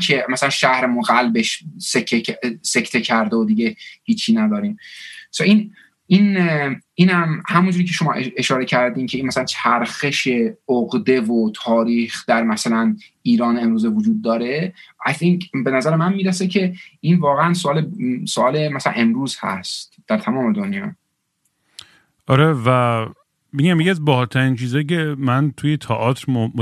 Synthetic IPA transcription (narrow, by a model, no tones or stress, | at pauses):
kʰemæsælænʃæhɾemoɣælbe̞ʃsekʰːese̞kʰt̪ʰecʰæɾd̪eod̪iɟe̞hiːt͡ʃʰiːnæd̪ɒːɾiːmsʔin | iːn | iːnæmhæmund͡ʒuːɾiːcʰeʃo̞mɒ̰ːʔee̞ʃɒːɾe̞cʰæɾd̪iːncʰeiːnmæsælænt͡ʃʰæɾxe̞ʃe̞oɣd̪e̞vot̪ʰɒːɾiːxd̪̥æɾmæsælæniːɾɒːneemɾuːzevod͡ʒuːd̪̚ːɒːɾe̞æjθʰeŋkʰbe̞næzæɾemænmiːɾesecʰe̞iːnvɒːɣeænsoʔɒːlesoɒːlemæsælæ̰nʔe̞mɾuːz̥hæ̰st̪d̪̥æɾt̪ʰæmɒːme̞d̪onjɒ̰ː | ʔɒɾevæ | beɡæmjeciæzbɒhɒːɾt̪ʰæɾiːnt͡ʃʰiːzɒːjecʰemænt̪ʰuːjet̪ʰɒʔɒːt̪ɾm